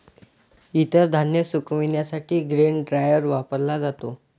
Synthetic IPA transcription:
it̪əɾd̪ʱanjəsukminjasaʈʰiːɡɾeɳɖɾajəɾʋapəɾlad͡zat̪o

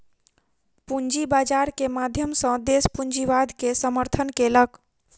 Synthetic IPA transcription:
pund͡ʒibad͡ʒaɾkemad̪ʱjəmsə̃d̪espuɲd͡ʒiʋad̪ʱkesəməɾt̪ʰənkelək

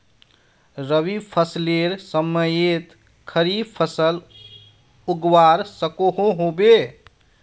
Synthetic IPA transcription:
ɾəʋipʰəsleɾsəməjet̪ | kʰəɾipʰəsəl | uɡwaɾsəkoɦõɦobe

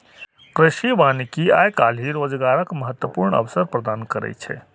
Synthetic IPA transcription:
kɾɪʃiʋanikiajkal̤ɦiɾod͡ʒɡaɾəkməɦət̪wəpuɾɳə̰ʋsəɾpɾəd̪ankəɾɛ̰t͡ʃʰɛ̰

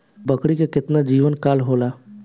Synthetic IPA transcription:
bəkɽikekɪt̪nad͡ʒiːʋənkaːlɦoːlaː

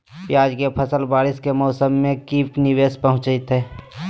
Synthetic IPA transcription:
pjaːd͡ʒkepʰəsəlbaːɾɪskemɔːsəmːẽkiːpnɪweːspəɦʊ̃t͡ʃət̪ɦɛː

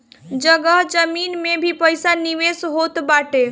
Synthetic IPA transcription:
d͡ʒəɡəɦd͡ʒəminmebʱipəjsaniʋesɦot̪baʈe

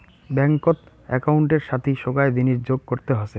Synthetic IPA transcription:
bɛŋkot̪ | ɛkauɳʈeɾʃat̪ʰiʃoɡaed̪iniʃd͡ʑoɡ̚koɾt̪eɦose

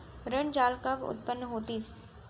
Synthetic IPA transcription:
ɾəɳd͡ʒaːlkəbʊ̰t̪̚pənːɦoːt̪is

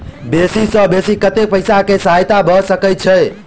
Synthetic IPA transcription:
besisə̃besikət̪epəjsakesɦajt̪abʱəsəkət͡ʃʰəj

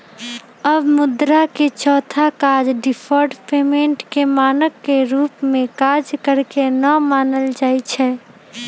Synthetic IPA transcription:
əbmʊd̪ɾaket͡ʃɔːt̪ʰakaːd͡ʒɖɪpʰɔːɾɖpeːmẽɳʈkemaːnəkːeɾuːpmẽkaːd͡ʒkəɾkenəmaːnəld͡ʒaːit͡ʃʰɛː

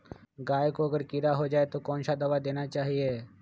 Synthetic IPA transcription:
ɡaːekoɐɡəɾkiɾaɦod͡ʒaːet̪okɔːnʃad̪ɐʋad̪eːnat͡ʃaːɦieː

